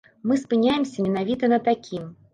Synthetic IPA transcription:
mɨspɨnʲajɪmsʲɐmʲinavʲit̪ɐnɐt̪ːakʲʰim

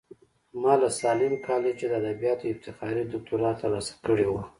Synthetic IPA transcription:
mɑlasɑlɪmkʰɑlet͡ʃed̪əad̪abijɑt̪oɪft̪ɪxɑɾid̪ʊk̚t̪uɾɑt̪ːəɾlɑsḁkəɽewa

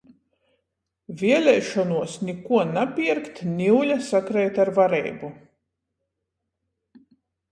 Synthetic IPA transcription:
vʲiɛlʲɛjʃɔnuɔsnʲikuɔnapʲiɾkt̪nʲiwlʲasakɾɛjt̪aɾvaɾɛ̰jbu

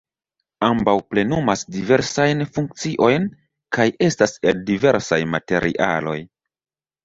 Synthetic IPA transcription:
ambawple̞numasdive̞ɾsajnfuŋk̚t͡siʔo̞jn | kajʔe̞staseldive̞ɾsajmate̞ɾʔḭʔa̰lo̞j

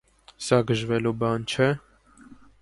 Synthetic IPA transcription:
sɑɡəʒvɛlubɑnt͡ʃʰɛ

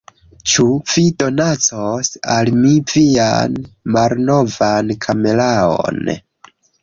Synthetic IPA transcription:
t͡ʃuv̥ido̞nat͡sosalmivia̰nmalno̞vankʰame̞lao̰n

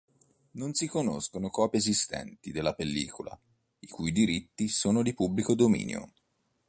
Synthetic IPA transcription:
nonsikono̰skonokɔːpiezist̪ɛ̰nt̪id̪elːapelːḭːkʰola̰ | ikujd̪iɾit̪ːisoːnod̪ipubːlikod̪omḭːnjo̰

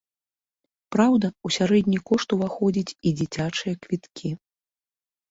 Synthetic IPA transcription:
pɾawd̪ɐusʲaɾɛd̪ʲnʲikɔʂt̪uvaxɔd͡zʲit͡sʲid͡zʲit͡sʲat͡ʂɨjɐkvʲit̪kʲʰi

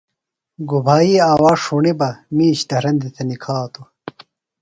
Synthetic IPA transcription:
ɡubʱaːiaːwaːʂuɳebɐmiːɕd̪ɐɾɐnd̪it̪ʰɐnikʰaːt̪o

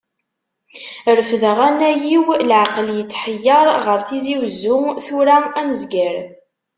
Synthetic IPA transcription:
ɾəfðəʁænæjiwlʕaqəljət͡sːħəjːɑɾˤʁəɾθiziwzːʊθuɾæænəzɡəɾ

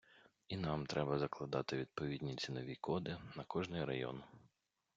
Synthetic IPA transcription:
inɑmt̪ɾɛbɐzɐklˠɐd̪ɑt̪ɪʋʲid̪̚pɔʋʲidʲnʲit͡sʲinɔʋʲikʰɔd̪ɪnɐkɔʒnɪɾɐjɔ̰n

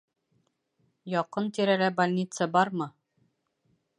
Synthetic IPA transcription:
jɒqɤnt̪iɾælæbɐlʲnʲit̪səbɒɾmɤ

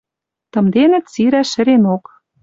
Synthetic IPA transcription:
t̪ɤ̆md̪enɘ̆t̪t͡siɾæʃɘ̆ɾenok

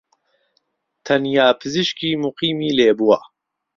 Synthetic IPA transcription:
t̪ʰɐnjaːpʰɨzɨʃkiːmuqiːmiːleːbuwa

